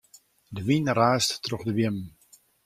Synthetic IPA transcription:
dəʋinraːstːroχdəʋjɪm

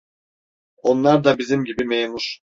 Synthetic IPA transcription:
o̞nlˠaɾd̪abizimɟibimejnuʃ

